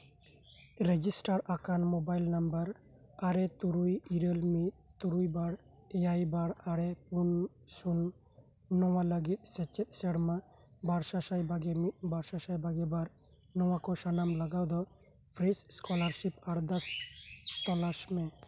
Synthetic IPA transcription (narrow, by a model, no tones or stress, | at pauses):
ɾed͡ʒisʈaɾakanmɔbajlnambəɾ | aɾɛt̪uɾujiɾəlmit̪ | t̪uɾujbaɽ | jajbaɽaɾɛpun | sunː | ɔwaləɡit̪̚ˀsɛt͡ʃɛt̪̚sɛɽmabaɾsasajbaɡɛmit̪̚ˀbaɾsasajbaɡɛbaɾ | nɔwakɔsanamlaɡawd̪ɔ | pʰɾisskɔlaɾsip̚aɽd̪ɔs | t̪ɔlasmɛ